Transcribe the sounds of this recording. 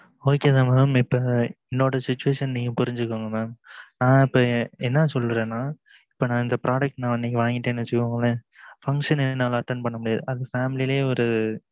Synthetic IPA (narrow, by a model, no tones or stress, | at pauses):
oːkeːðãːmaːmɪpːɐːɛnːoːɽɐsɪt͡ʃːʊʋeːʂɐnniːŋɡɐ̃pʊɾɪɲd͡ʒɯkːoŋɡɐmaːmnãːɪpːɐɛnːɐsɔlːɾẽːnːaː | ɪpːonãːɪnd̪ɐpɾaːɖɐk̚ʈnãːɪnːɛkːiʋãːŋɡɪʈːeːnːɯʋɐt͡ʃːɯkːõːŋɡɐlefɐŋkʂɐnɛnːaːlɐɐʈ̪ːɐnpɐɳːɐmʊɽɪjaːðɯʔɐðɐfaːmɪlileːɔɾɯ